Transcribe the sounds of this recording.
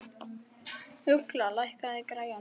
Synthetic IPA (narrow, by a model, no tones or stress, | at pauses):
ʏklalajhkaðɪkɾaja